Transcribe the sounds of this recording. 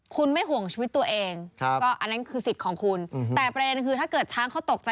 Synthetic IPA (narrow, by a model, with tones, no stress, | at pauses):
kʰu˧nma˥˩jɦu˨˩˦əŋt͡ɕʰiː˧wi˦˥t̪ːu˧ɐʔeː˧ŋʰ˦kɔː˥˩ʔa˧nːa˦˥nkʰɯː˧si˨˩kʰɔː˩˦ŋkʰu˧nt̪ɛː˨˩pɾa˧de˧nkʰɯː˧aː˥˩kɤː˨˩t̪̚t͡ɕʰaː˦˥ŋkʰa˦˥wt̪o˨˩k̚t͡ɕa˧